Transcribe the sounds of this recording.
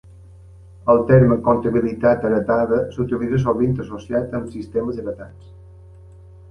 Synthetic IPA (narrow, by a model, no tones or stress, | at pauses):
əlˠt̪ɛɾməkont̪əβilit̪at̪əɾət̪aðəsut̪iliðəs̬oβint̪əsosiat̪əmsist̪eməzəɾət̪ans